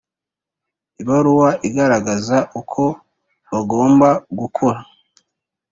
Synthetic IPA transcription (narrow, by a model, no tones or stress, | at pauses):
iβaɾuwaʔiɡaɾaɡazaʔukʰo̞ | βaɡo̞ːmbaɡukʰoɾa